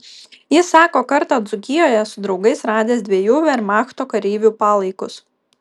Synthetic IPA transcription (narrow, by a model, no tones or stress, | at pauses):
jɪsːɑːkoːkɐɾt̪ɑːd̪zʊkʲɪjoːjɛsʊd̪ɾɒʊɡɐɪsɾɑːd̪ʲeːsd̪ʲʋʲiɛjuːʋʲɛɾmɑːxt̪oːkɐɾʲiːʋʲuːpɑːlˠɐɪkʊs